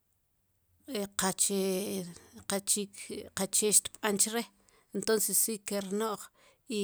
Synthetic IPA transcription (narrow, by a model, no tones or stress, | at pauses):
eqat͡ʃe | qat͡ʃikqat͡ʃeʃt̪ɓant͡ʃɾe | ent̪onsesːikeɾnoʔχ | i